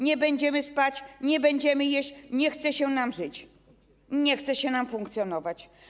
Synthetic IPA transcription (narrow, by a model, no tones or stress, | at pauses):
ɲɛbɛɲd͡ʑɛmɘspat͡ɕɲɛbɛɲd͡ʑɛmɘjɛɕt͡ɕɲɛxt̪sɛɕɛnamʐɘt͡ɕ | ɲɛxt̪sɛɕɛnamfuŋkt̪sʲjɔnɔvat͡ɕ